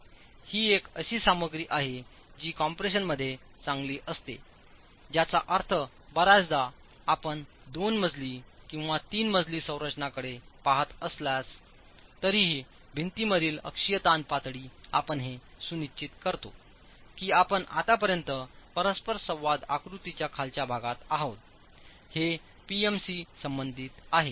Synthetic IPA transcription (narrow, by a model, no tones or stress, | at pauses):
hiːekəɕiːsaməɡɾiːʔaɦe | d͡ʑiːkɔmpɾeɕ̬ənməd̪ʱːje | t͡sãŋɡliːʔəst̪ḛ | d͡ʑjat͡saʔəɾt̪ʰə | bəɾad͡zd̪aː | pəɳ | d̪onməd͡zliːkĩw̃ʋat̪iːnməd͡zliːsə̃w̃ɾət͡ɕnakəɽepaɦət̪əsljas | t̪əɾiɦi | bʱint̪iməɾiːlə̰kʂijət̪anpat̪ɽiːa̰pəɳɦesunit͡ɕːit̪kəɾt̪o | kiːapəɳa̰t̪apəɾjənt̪əpəɾəspəɾsə̃w̃ʋad̪a̰kɾut̪it͡ɕjakʰalt͡ɕjabʱaɡat̪aɦot̪̚ | he | piemsisəmbənd̪ʱiːt̪aɦe